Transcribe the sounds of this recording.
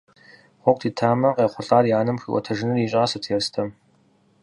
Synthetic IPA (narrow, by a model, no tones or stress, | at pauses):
χʷɔk̚ʷʼtʰiːtʰaːmɐqeːχʷʊɬaːrjaːnɨmxḭʔʷɔ̰tʰɐʒɪnɨriɕʼɐsɨtʰjɛrstʰɐm